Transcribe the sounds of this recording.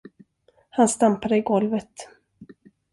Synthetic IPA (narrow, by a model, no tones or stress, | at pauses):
hanst̪ampaɾəɪɡɔlvət̪